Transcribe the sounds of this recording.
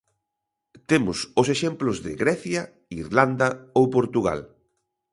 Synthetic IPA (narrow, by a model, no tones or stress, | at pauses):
t̪emʊsʊseʃemplʊzðɪ̰ɣɾɛθjɐ | iɾland̪ɐowpoɾt̪uɣa̰l